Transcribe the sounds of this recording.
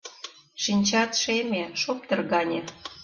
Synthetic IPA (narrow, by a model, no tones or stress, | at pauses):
ʃinʲt͡ɕɑt̪ʃemʲeʃop̚t̪ɤrɣɑnʲe